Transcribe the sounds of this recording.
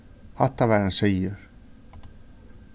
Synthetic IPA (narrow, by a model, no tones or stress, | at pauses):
hat̪ːavɛɾanseːjʏɾ̥